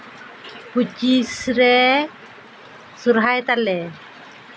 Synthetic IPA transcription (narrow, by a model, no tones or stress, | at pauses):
put͡ʃisɾɛ | suɾɦajt̪alɛ